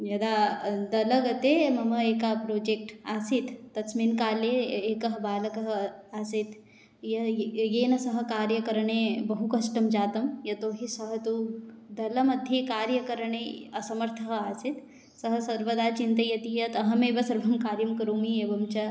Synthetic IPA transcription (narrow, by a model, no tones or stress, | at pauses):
jɐd̪aːd̪ɐlɐɡɐt̪emɐmɐeːkapɾoːd͡ʒek̚ʈaːsit̪ːɐsminkaːleeːkɐɦɐbaːlɐkɐɦaːsit̪ | jɐjeːnɐsɐɦɐ̆kaːɾjɐkɐɾɐɳebɐɦukɐʃʈɐmd͡ʒaːt̪ɐmjɐt̪oːɦisɐɦɐt̪od̪ɐlɐmɐd̪ʰʱikaːɾjɐkɐɾɐɳeɐsɐmɐɾt̪ʰɐɦaːsit̪ | sɐɦɐsɐɾbɐd̪aːt͡ʃint̪ɐjɐt̪ijɐt̪ɐɦɐmeːbɐsɐɾbʱɐmkaːɾjɐmkɐɾoːmieːbɐmt͡ʃɐ